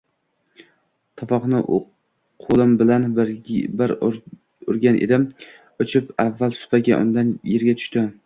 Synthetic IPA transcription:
t̪ʰɒfɒqnɪʔ | qʰolˠɪmbɪlan | ɪɾ | ʊɾɡʲanʔḛd̪ɪm | ot͡ʃʰɪpavːalˠsʊ̥paɡʲa̰ʔʊ̰nd̪anjeɾɡʲat̪ʰʊ̥ʃt̪ɪ

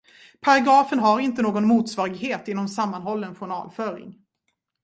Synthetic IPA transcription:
pʰaɾaɡɾɑːfənɦaɾɪnt̪ənoːɡɔnmuːt̪svɑːɾɪɡheːt̪ɪnːɔmsamːanɦɔlːəɛnɧʊɳɑ̰ːlfœːɾɪ̰ŋ

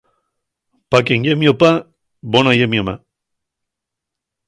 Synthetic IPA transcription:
pakeŋjemjopa | bonajemjoma

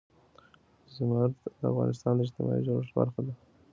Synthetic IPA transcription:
zmaɾt̪d̪əa̰fɣɑ̰nɪst̪ɑnd̪əɪd͡ʒt̪ɪmɑ̰ḭʒoʂba̰ɾxad̪a

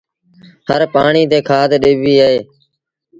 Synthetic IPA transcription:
həɾpaːɳiːt̪eːkʰaːd̪ɗeːʋiːəɦeː

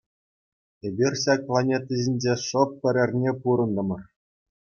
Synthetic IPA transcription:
ebʲirʲɕɑk̚plˠɑnʲet̪ʲːiʑʲinʲd͡ʑeʂɤ̆p̚pʲɘ̆ɾʲɘ̆rʲnʲepuɾɤ̆nd̪ɤ̆mɤ̆r

